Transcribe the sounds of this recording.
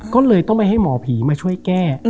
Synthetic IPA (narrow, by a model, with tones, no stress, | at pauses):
kɔː˥˩lɤː˧jt̪ɔ˥˩ŋpa˧jɦa˥˩jmɔː˨˩˦pʰiː˩˦maː˧t͡ɕʰu˥˩əjkɛː˥˩